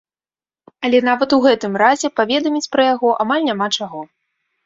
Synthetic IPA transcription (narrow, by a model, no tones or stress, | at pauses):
ɐlʲɛn̪avɐt̪uɣɛt̪ɨmrazʲɛpavʲɛd̪ɐmʲit͡sʲpɾɐjaɣɔʔamalʲnʲamat͡ʂaɣɔ